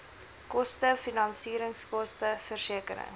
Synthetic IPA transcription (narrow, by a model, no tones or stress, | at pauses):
kɔstəfinɐnsiːɾəŋskɔstəfərsiəkəɾə̰ŋ